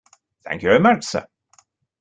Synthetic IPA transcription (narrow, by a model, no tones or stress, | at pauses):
θæ̰̃ŋkjuvɛɹɪmat͡ʃsə̰